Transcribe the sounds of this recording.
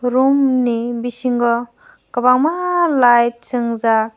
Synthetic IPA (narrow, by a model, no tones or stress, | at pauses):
ɾumnibisiŋɡɔ | kɐbaŋmalaj̚t͡ʃɯŋza